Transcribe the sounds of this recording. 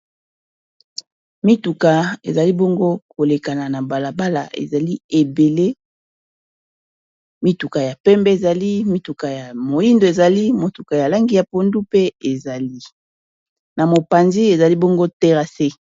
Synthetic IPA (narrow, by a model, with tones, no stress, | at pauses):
mi˦tu˨ka˨ḛ˨za˨li˦bo˦ŋɡo˦ko˨le˨ka˨na˨na˨ba˨la˨ba˦la̰˨ʔḛ˨za˨li˦e˨be˨le˦ | mi˦tu˨ka˨ja˨pɛ˦mbɛ˦e˨za˨li˦mi˦tu˨ka˨ja˨mo˨i˦ndo˨e˨za˨li˦mo˨tu˨ka˨ja˨la˦ŋɡi˨ja˨po˦ndu˦pe˦e˨za˨li˦ | na˨mo˨pa˨nzi˦e˨za˨li˦bo˦ŋɡo˦te˦ʁa˨se˦